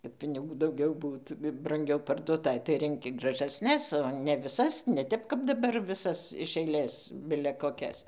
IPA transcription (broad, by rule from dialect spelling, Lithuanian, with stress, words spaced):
kɐt pʲɪnʲɪˈɡuː dɐʊˈɡʲɛʊ ˈbuːt brɐŋʲˈɡʲɛʊ pɐrduɔˈtɐɪ tɐɪ rʲɛŋʲˈkʲɪ ɡrɐˈʒɑːsʲnʲɛs oː nʲɛ ʋʲɪˈsɐs nʲɛ ˈtʲɛp kɐp dɐˈbɐr ʋʲɪˈsɐs ɪʃ ɐɪˈlʲeːs ˈbʲɪlʲɛ koːˈkʲɛs